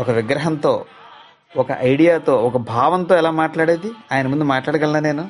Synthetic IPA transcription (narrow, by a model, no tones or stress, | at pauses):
ɔkɐʋiɡɾɐɦɐnt̪o̞ː | ɔkɐ̰ʔɐjɽijaːt̪o̞ːɔkɐbʱaːʋɐnt̪oːɛlaːmaːʈlaːɽeːd̪iaːjɐnɐmund̪umaːʈlaːɽɐkɡɐlːaːne̞ːnu